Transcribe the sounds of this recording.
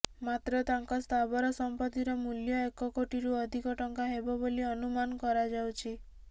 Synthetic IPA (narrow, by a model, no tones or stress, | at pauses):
mat̪ɾɔt̪aŋkɔst̪ʰabɔɾɔsɔmpɔt̪iɾɔmuljɔekɔkoʈiɾuɔd̪ʱikɔʈɔŋkaɦebɔboliɔnumanɔkɔɾad͡ʒawt͡ʃʰi